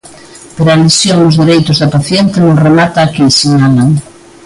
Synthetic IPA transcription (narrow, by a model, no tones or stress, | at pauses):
peɾalesjoŋʊzðeɾejt̪ʊzðɐpaθjɛnt̪ɪnõŋremat̪aːkisiɲalaŋ